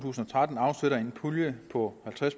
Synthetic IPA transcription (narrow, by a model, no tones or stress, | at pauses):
t͡sʰṵːsn̩ɒ̽t͡sʰʁad̥n̩ɑ̈ʊseɾɐe̝npʰuljəpʰɒ̽hælt͡sʰʁas